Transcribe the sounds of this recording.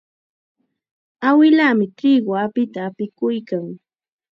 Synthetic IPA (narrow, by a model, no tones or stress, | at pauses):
awɪlamɪt̪ɪɢwapɪt̪aːpɪkʊjkaŋ